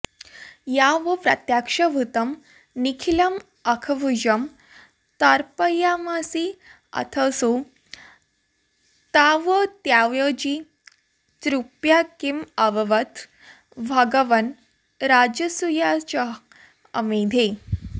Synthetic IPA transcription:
jaʋəpɾə̰t̪jakʂəʋut̪əm | nikʰiləm | ɐkʰəʋud͡ʑəm | t̪aɾpəjamasi | ɐ̰t̪ʰəsu | t̪aʋət̪jaʋjəd͡ʑi | t͡sɾupjakiməʋəʋət̪ | ʋʱaɡəʋən | ɾad͡ʑəsujat͡ɕəɦ | ə̰med̪ʱe

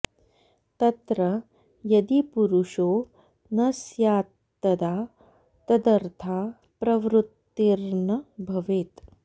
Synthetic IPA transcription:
t̪ɐt̪ɾɐ | jɐd̪ipuɾuʂoː | nɐsjaːt̪ːɐd̪aː | t̪ɐd̪ɐɾt̪ʰaː | pɾɐʋɾut̪ːiɾnɐbʱɐʋeːt̪

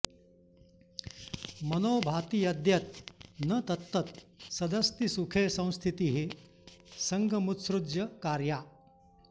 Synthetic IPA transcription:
mənoːbʱat̪iːjɐd̪jɐt̪̚nət̪ɐt̪ːət̪sɐd̪əst̪isukʰesə̃w̃st̪ʰit̪iɦe | səŋɡʱəmut̪sɾudjɐkaɾja

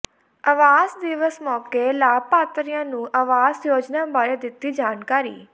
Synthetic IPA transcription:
əʋaːzd̪ɪʋəsmɔːkeːlaːpaːt̪ɾijãːnũːʔaʋaːzjoːd͡ʒnaːbaːɾeːd̪ɪt̪ːiːd͡ʒaːnkaːɾḭː

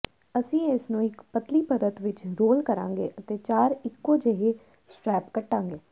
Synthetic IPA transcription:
əsĩːɪsnũːɪkpət̪liːpəɾət̪ʋɪt͡ʃɾoːlkəɾã̰ːŋɡḛːʔət̪eːt͡ʃaːɾɪkːõːd͡ʒeɦeː | sʈɾɛːpkəʈːãːŋɡeː

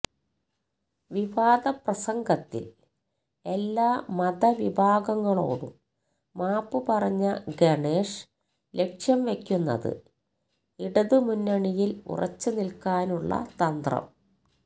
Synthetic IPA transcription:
ʋiʋaːd̪ɐprɐsɐŋɡɐt̪ːḭl | e̞lːaːmɐðɐʋibʱaːɡɐŋːɐɭo̞̰ːɽṵm | maːpːɨpɐrɐɲːɐɡeɳeːʂ | le̞kʂjɐmʋe̞kʲːunːɐ̰ðɨ̰ | iɽɐðɨmunːɐɳijilṵrʔɐ̰t͡ɕːɨnilkaːnuɭːɐ̰t̪ɐnd̪rɐ̰m

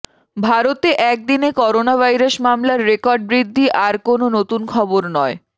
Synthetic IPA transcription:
bʱaɾot̪eʔɛk̚d̪inekɔɾonabʱajɾaʃmamlaɾːekɔɾɖ̚bɾid̪ʱːiʔaɾkononot̪unkʰɔboɾnɔe

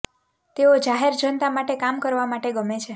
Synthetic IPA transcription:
t̪eod͡ʒaɦeɾd͡ʒənət̪amaʈekamkəɾʋamaʈeɡəmet͡ʃʰe

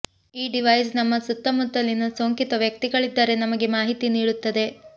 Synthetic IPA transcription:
iːɖiʋɐjsnɐmːɐsut̪ːɐmut̪ːɐlinusoːŋkit̪ɐʋjɐk̚t̪iɡɐɭid̪ːaːɾe̞nɐmɐɡe̞maːɦit̪iniːɽut̪ːɐd̪e̞

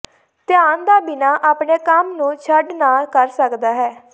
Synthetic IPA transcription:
t̪ɪjaːnd̪aːbɪnaːʔaːpɳeːkəmnũːt͡ʃʰəɖnaːlkəɾsəkd̪aːɦɛː

